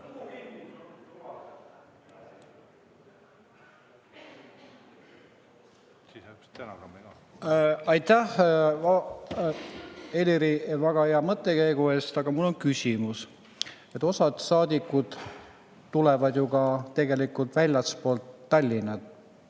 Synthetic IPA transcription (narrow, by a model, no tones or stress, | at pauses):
ɑjt̪æhɑ | e̞lʲiɾivæɡ̥ɑheɑmɤt̪ːˑe̞kæjɡue̞ːst̪ɑɡ̥ɑmulːo̞nkysʲimus | e̞t̪ːˑo̞sɑd̪̥sɑːd̪̥ʲikːˑud̪̥ | t̪ːulɛ̞vɑd̪̥juɡɑt̪e̞ɡe̞likult̪vælʲjɑspo̞ːlt̪ːɑlʲːinɑt̪